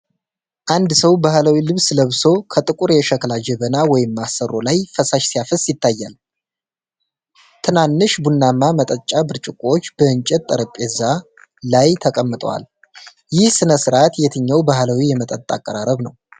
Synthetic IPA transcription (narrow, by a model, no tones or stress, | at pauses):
ʔand̪səwbahlawilɨβsləβso̞kʰət̪ʼɨkʼuɾjɛʃəklad͡ʒɛβənawɔjɪmːasːərʔo̞lajfəsaʃsijafəsjɪt̪ʰːajːa̰l | t̪ʰɨnanːɨʃbunːamːamət̪ʼət͡ʃʼabɨɾt͡ʃʼɪkʼot͡ʃːb̥əɨnt͡ʃʼɛt̪ʼːəɾəpʼːɛza | lajt̪ʰəkʼəmːɨt̪ʼə̰wa̰l | jɪhsɨnəsɨɾat̪jɛt̪ʰɨɲːawbahlawijɛmət̪ʼət̪ʼa̰kʼːəɾaɾəβnəw